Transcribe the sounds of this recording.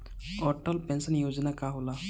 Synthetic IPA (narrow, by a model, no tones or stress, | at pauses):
ɔʈəlpɛnsənjod͡ʒnakaɦola